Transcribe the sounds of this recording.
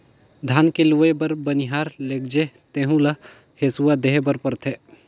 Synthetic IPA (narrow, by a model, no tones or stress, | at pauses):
d̪ʱaːnkeluʋebɐɾbəniɦaːɾleːɡ̚d͡ʒet̪eːɦũla | heːsuwad̪eɦebəɾpəɾt̪ʰe